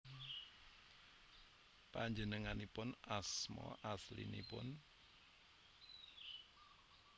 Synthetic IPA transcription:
paɲd͡ʒənəŋanipʊnasmɔ̰ʔaslḭnḭpʊn

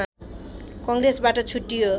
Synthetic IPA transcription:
kʌŋɡɾesbaʈʌt͡sʰuʈːijo

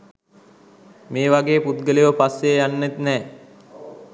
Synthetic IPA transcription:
meːʋaɡeːput̪ɡəliʋəpasːejjanːet̪nɛː

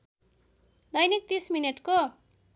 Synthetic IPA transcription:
d̪ʌjnik̚t̪ismineʈko

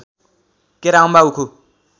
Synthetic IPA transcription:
keɾaũmbaukʰu

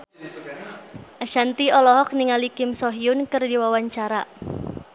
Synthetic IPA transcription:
ʔaʃant̪iɔlɔɦɔk̚niŋalikɪmsɔɦiʊnkərdiwawaɲt͡ʃaɾa

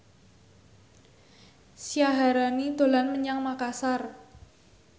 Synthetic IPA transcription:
siaɦaɾanid̪̥o̤lanməɲaŋmakasar

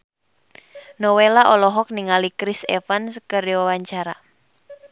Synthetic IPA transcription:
nowelaʔolɔɦɔk̚niŋalikɾisḛfanskərwawaɲt͡ʃaɾa

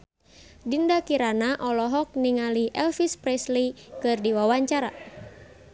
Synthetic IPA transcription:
dindakiɾanaʔɔlɔɦɔk̚niŋaliʔɛlfispɾɛslikɨrdiwawaɲt͡ʃaɾa̰

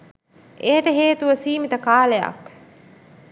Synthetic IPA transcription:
ʔejəʈəɦeːt̪uʋəsiːmit̪əkaːleja̰k

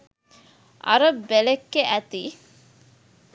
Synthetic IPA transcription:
ʔɐ̰ɾəbːelekːeʔæt̪iː

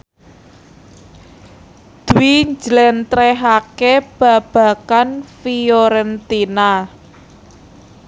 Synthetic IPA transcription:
d̪̥uwiɲd͡ʒlɛnt̪ɾɛɦakeb̥ä̤b̥a̤kanfioɾɛnt̪ina

